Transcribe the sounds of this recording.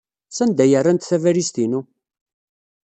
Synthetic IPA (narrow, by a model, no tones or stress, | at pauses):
sænd̪æjərˤːænt̪θævæɾist̪inu